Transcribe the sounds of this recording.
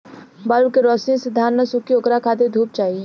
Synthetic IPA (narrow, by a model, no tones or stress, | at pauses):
baɾʋkeɾɔːsijõsed̪ʱaːɾnəsʊkiokɾakʰaːt̪ed̪ʱuːp̚t͡ʃaːɦie